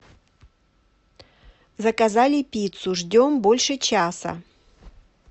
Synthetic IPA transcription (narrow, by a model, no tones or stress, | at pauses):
zɐkɐzalʲɪpʲit̪sʊʐdʲombolʲʂɨt͡ɕasɐ̰